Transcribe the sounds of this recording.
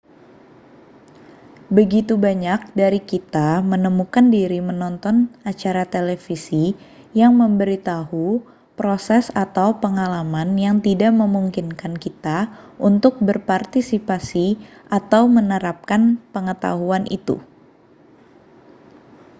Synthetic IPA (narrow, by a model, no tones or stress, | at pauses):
bəɡit̪ubaɲak̚daɾikit̪amənəmukandiɾimənɔnt̪ɔnat͡ʃaɾat̪elefisi | jaŋməmbəɾit̪ahu | pɾosɛsat̪awpəŋalamanjaŋt̪idaʔməmuŋkinkankit̪aʔunt̪ʊk̚bərpart̪isipasiʔat̪awmənəɾap̚kanpəŋət̪a̰ɦuanʔḭt̪ṵ